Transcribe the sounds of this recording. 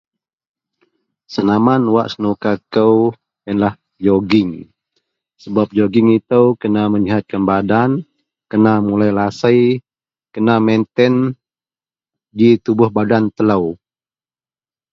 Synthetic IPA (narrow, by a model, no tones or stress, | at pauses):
sənamanwaʔsənukakəw | jənlah | d͡ʒoɡɪŋ | səbap̚d͡ʒoɡɪŋit̪əwkənaməliɦat̪̚kanbadan | kənamulajlasəj | kənamɛnt̪ɛn | d͡ʒit̪ubʊhbadant̪ələw